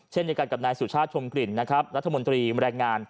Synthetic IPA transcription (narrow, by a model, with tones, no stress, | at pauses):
t͡ɕʰe˥˩nji˧ka˨˩ka˨˩naː˧jsu˨˩t͡ɕʰaː˥˩t̪̚t͡ɕʰo˧mkɾi˨˩nːa˦˥kʰɾa˦˥p̚ɾa˦˥t̪ʰːa˧mo˧nt̪ɾiː˧ɾɛː˧ŋːaː˧n